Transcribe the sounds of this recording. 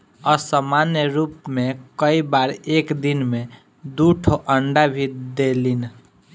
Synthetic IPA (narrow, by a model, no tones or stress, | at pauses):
ɔːɾsəmanjəɾuːpmẽkəibaːɾeːkd̪inmẽ | d̪uʈʰoʔəɳɖabʱid̪elin